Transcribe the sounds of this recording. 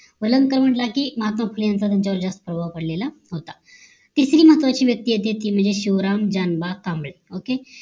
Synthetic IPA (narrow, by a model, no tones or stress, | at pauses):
ʋələŋɡkəɾm̤əʈlakiːməɦat̪mafʰuljãnt͡sat̪jaɲt͡ɕaɔɾd͡zast̪ə̥pɾəbʱaʋpəɽlela | ɦot̪a | t̪isɾiːməɦət̪ʋat͡ɕiːʋjək̚t̪iɦet̪et̪iːm̤əɳd͡zeɕiʋɾamd͡ʑanbakãmbɭeoke